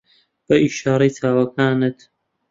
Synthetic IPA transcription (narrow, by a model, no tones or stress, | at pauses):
b̥ɐʔiʃaːɾɐjt̪ʰaːwɐkʰaːnɨt̪